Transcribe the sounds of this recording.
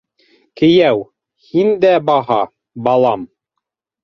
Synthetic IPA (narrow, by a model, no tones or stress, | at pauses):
kɘ̆jæw | hind̪æbɑɦɑ | bɑlˠɑm